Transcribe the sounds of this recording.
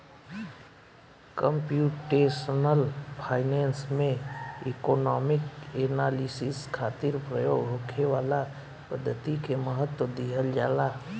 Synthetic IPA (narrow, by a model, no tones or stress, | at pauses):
kəmpjuːʈeːʃənəlpʰaːɪnɛːnsmẽɪkɔːnɔːmɪkeːnaːlisɪskʰaːt̪ɪɾpɾəjo̰ːɡɦoːkʰeʋaːla | pəd̪ʱːət̪ikeməɦət̪wəd̪iɦəld͡ʒaːlaː